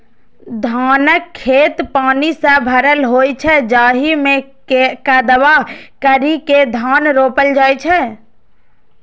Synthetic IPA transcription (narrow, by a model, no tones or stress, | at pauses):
d̪ʱaːnəkʰːet̪paːnisə̃bʱəɾəlɦojt͡ʃʰɛd͡ʒaːɦime | kəd̪əʋakəɾiked̪ʱanɾopəld͡ʒaːjt͡ʃʰɛ